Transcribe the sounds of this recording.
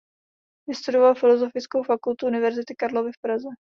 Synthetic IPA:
vɪst̪udovalfɪlo̞zo̞fɪt͡skowfakult̪uʔunɪvɛɾzɪt̪ɪkaɾlo̞vɪfpɾazɛ

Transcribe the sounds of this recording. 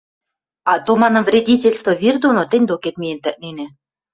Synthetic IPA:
ɑt̪omɑnɤ̆mvrʲedʲitʲelʲst̪voβird̪onot̪enʲd̪oket̪mijent̪æ̆ʔ̚nenĕ

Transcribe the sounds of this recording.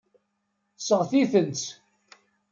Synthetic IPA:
səʁθiθənt͡s

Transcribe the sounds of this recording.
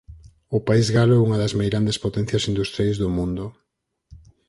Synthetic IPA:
ʊpaizɣalouŋɐðɐzmajɣɾand̪espot̪ɛn̟θjɐsind̪ust̪ɾjajzðʊmũnd̪ʊ

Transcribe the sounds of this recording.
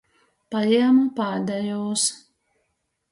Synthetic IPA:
pajɛmapad̪ajoːs

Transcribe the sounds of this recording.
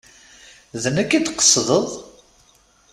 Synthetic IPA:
ðnəkːid̪qə̥sːðˤəðˤ

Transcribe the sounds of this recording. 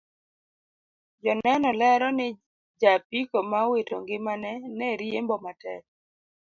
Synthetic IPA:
d͡ʒɔnɛnɔlɛɾɔnɪ | d͡ʒapikomawetʰo̰ŋɡɪmanɛnɛɾjembɔmatɛk̚

